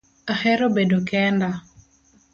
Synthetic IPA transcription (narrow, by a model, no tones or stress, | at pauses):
ahɛɾobedokɛnda